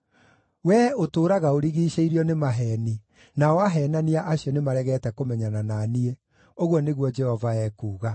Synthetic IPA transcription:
wɛotoːɾaɣaoɾiɣiːɕeiɾjɔnemaɦɛːni | naɔaɦɛːnaniaʔaɕjɔnemaɾɛɣɛtɛkomɛɲanananie | oɣwɔneɣwɔd͡ʒɛhɔvaɛːkuːɣa

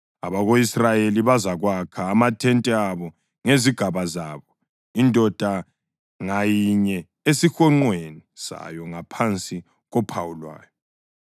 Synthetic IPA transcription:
aβaɣoisrajeliβazaɣwakʰaːmatʰɛntʼɛaβɔ | ŋeziɡ̥ʱaβazaːβɔ | indʱɔd̥ʱa | ŋajiɲɛ | esixɔŋ͡ǃwenisa̰jɔŋapʰant͡sʼi | ɣɔpʰawulwa̰ːjɔ

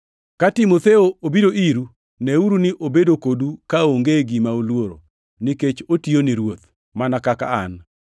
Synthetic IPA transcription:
katɪmot̪eoobidoiɾu | nɛuɾunɪʔobedokodukaoŋɡeɡimaulwoɾo̰ | niket͡ʃotioniɾwot̪ | manakaka̰an

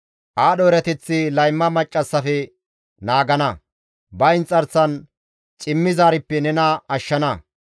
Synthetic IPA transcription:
ʔaːɗɔɾɛt̪ɛt͡sːɪlɐjmːɐmɐt͡ʃʼːɐsːɐfɛ | naːɡɐnɐ | bɐɪnt͡sʼːɐɾsɐn | t͡ʃʼɪmːɪzaːɾɪpːɛnɛnɐɐʃːɐnɐ

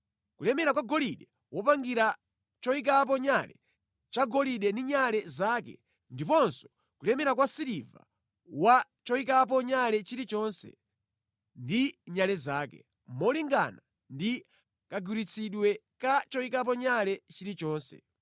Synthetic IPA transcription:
kulɛmɛɾakwaɡɔliɗɛ | wɔpaŋɡiɾa | t͡ʃɔik̬ap̬ɔɲalɛ̰ | t͡ʃaɡɔliɗɛndiɲalɛzaːkɛ̰ | ndipɔnsɔ̥ | kulɛmɛɾak̬wasiɾiva̰ | wa | t͡ʃɔikap̬ɔɲalɛt͡ʃiɾit͡ʃɔnsɛ̰ | ndiɲalɛzaːkɛ̰ | mɔliŋɡa̰na | ndi | kaɡuɾit͡sʰiɗwɛ | kat͡ʃɔikap̬ɔɲalɛt͡ʃiɾit͡ʃɔːnsɛ̰

